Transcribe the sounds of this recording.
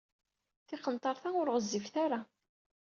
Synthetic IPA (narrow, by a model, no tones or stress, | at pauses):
θɪqənt̪ˤɑɾθaʊɾʁəzːifθaɾa